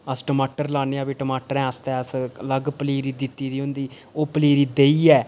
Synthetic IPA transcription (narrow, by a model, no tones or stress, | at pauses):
əsʈəmaːʈəɾlaːneːãːbiːʈəmaːʈəɾɛ̃ːəst̪ɛːəsləɡpəliːɾiːd̪ɪt̪ːiːd̪iːɦʊ̃nd̪iː | oːpəliːɾiːd̪eːiːɛː